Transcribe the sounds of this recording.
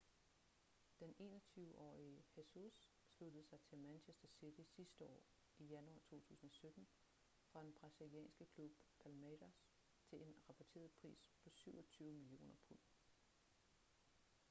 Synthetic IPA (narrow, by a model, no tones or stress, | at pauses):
d̥ene̝̰ːnɒt͡sʰyːʊʔɒ̰ːiəhesusː | lud̥əð̩ˠsɑ̈ɪt͡sʰe̝lmænɕʰesd̥ɐsid̥isisd̥əɒ̰ː | ijænuɑ̰̈ːt͡sʰo̝̰ːt͡sʰṵːsn̩ɒ̽sød̥n̩ | fʁɑ̈d̥enb̥ʁɑ̈siljɛ̰ːnsɡ̥əkʰlub̥pʰælmæɾæs | t͡sʰe̝le̝nʁɑ̈pʰɒt͡sʰe̝̰ːɐð̩ˠpʰʁḭːspʰɒ̽syʊɒ̽t͡sʰyːʊəmilio̝̰ːnɐpʰɔn